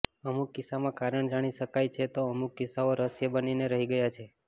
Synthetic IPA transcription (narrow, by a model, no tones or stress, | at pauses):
əmukːɪsamãkaɾəɳd͡ʒaɽ̃iʃəkajt͡ʃʰet̪oəmukːɪsaoɾəsjəbənineɾəɦiɡəjat͡ʃʰe